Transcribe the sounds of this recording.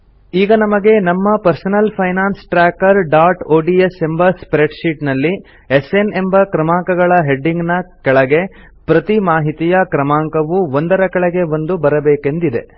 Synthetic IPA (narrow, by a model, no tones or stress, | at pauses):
iːɡɐnɐmɐɡe̞nɐmːɐpɐɾsɐnɐlpʰɐjnaːnsʈɾaːkɐɾɖaːɾʈoːɖie̞se̞mbɐspɾeɖʃiːʈnɐlːi | esene̞mbɐkɾɐmaːŋkɐɡɐɭɐɦe̞ɖːiŋɡnɐkɛɭɐɡe̞ | pɾɐt̪imaːɦit̪ijɐkɾɐmaːŋkɐʋuond̪ɐɾɐkɐɭɐɡe̞ʋond̪ubɐɾɐbeːke̞nd̪id̪e̞̰